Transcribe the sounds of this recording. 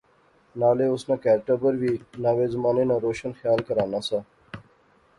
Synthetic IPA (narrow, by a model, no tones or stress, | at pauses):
naːleːʊsnãːkɛːɾʈəbəɾʋiːnaːʋeːzmaːneːnãːɾoːʃənxjaːlkəɾaːnaːsaː